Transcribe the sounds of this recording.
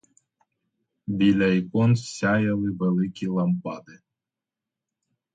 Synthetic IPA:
bʲilʲɐjkɔnsʲajɐlˠɨvɛlˠɪkʲilˠɐmpɑd̪ɨ

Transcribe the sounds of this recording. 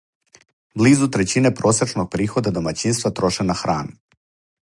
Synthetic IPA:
bliːzut̪ɾet͡ɕinepɾo̞sɾet͡ʃnoɡ̚pɾiːxo̞d̪ad̪o̞mat͡ɕinst̪ʋat̪ɾoʃenaxɾaːnu

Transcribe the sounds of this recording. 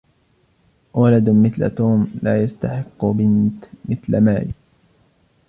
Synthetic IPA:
walad̪mɪθla̰t̪uːmlaːjast̪aħɪqːʊbɪnt̪mɪθlamaːlɪ̰

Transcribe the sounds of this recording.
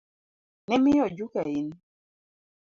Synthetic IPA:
nɛmɪjɔd͡ʒukain

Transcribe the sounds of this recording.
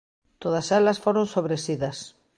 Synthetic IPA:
t̪oðɐsalɐsfoɾonsoβɾesiðɐs

